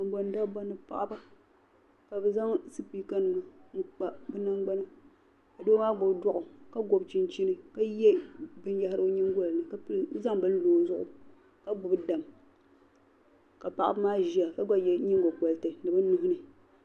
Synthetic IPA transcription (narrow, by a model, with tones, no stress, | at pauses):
a˨˦ɡ͡ba˨n˦da˦ba˦nɨ˨pa̰˨ʔa˦ba˦ | ka˨bɛ˨za˦ŋsɨ˦pi˦ka˦n˨nu˨ŋ̩˦k͡pa˦bɛ˦na˦ŋɡ͡ba˦nɨ˦ | ka˨doː˦maː˦ɡ͡bo˨bdwɔ˦ʔʊ˨ka˦ɡo˨bt͡ʃi˦n˦t͡ʃi˦nɨ˦ka˦jɛ˦bɨ˦n˦ja˦ha˦ɾɨ˦ɲi˦ŋ˦ɡo˦lnɨ˨ka˦za˦ŋbɨ˦n˦loː˨˦zʊ˦ʔʊ̰˨ | ka˦ɡ͡bʊ˨bda˨m | ka˨pa˨ʔa˦bmaː˦ʒi˦a˨ka˦ɡa˦jɛ˦ɲi˦ŋ˦ɡo˨kɔ˨ltɨ˨nɨ˨bɨ˦nu˦hʊ˦nɨ˨